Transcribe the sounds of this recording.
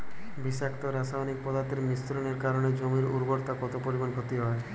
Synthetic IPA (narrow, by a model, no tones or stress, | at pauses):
biʃakt̪oɾasaonik̚pɔd̪aɾt̪eɾmist̪ɾoneɾkaɾoned͡ʑomiɾuɾboɾt̪akɔt̪opoɾibonkʰot̪iɦɔe